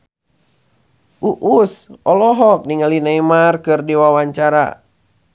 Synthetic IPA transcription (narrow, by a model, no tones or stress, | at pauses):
ʔuʔusʔɔlɔɦɔk̚niŋalinaimarkɨrdiwawaɲt͡ʃaɾa̰